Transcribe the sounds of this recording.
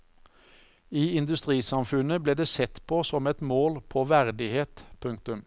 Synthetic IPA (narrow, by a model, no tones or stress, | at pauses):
iːɪnd̪ʉst̪ʁiːsɑmfʉnəbleːd̪eːsɛt̪pʰoːsɔmɛt̪moːlpʰoːʋæʁd̪ɪheːt̪pʰʉŋk̚t̪ʉm